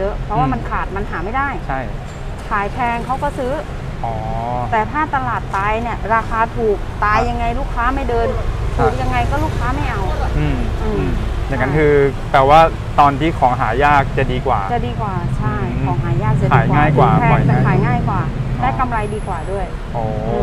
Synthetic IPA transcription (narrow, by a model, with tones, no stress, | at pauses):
jɤ˦˥ʔpʰɾɔ˦˥waː˥˩ma˧nkʰaː˨˩t̪̚ma˧nɦaː˩˦ma˥˩jdaː˥˩jt͡ɕʰa˥˩j | kʰaː˨˩˦jpʰɛː˧ŋkʰa˦˥wkɔː˥˩sɯː˦˥ | ʔɔː˦t̪ɛː˨˩t̪ʰaː˥˩t̪a˧laː˨˩t̪ːaː˧jni˥˩əɾaː˧kʰaː˧t̪ʰuː˨˩k̚t̪aː˧jːa˧ŋːa˧jluː˥˩kʰːaː˦˥ma˥˩jdɤː˧nt̪ʰuː˨˩k̚ja˧ŋːa˧jkɔː˥˩luː˥˩kʰaː˦˥ma˥˩jʔa˧wʔɯː˧mʔɯː˧mt͡ɕa˨˩ŋːa˦˥nkʰɯː˧t̪ɛː˨˩waː˥˩ | t̪ɔː˧nt̪ʰiː˥˩kʰɔː˩˦ŋɦaː˩˦jaː˥˩k̚t͡ɕa˨˩diː˧kwa̰ː˨˩t͡ɕa˨˩diː˧kwaː˨˩t͡ɕʰa˥˩jkːɔː˩˦ŋɦaː˩˦jaː˥˩k̚t͡ɕa˨daiː˨˩˦jkaŋaː˥˩jkwaː˧˨˩ɛ˧˨˩t͡ɕa˨˧˩kʰaː˨˩˦jŋaː˥˩jkwaː˨˩da˦˥˩jka˧mɾa˧jdiː˧kwaː˨˩du˥˩əj | ʔɔː˨˩˦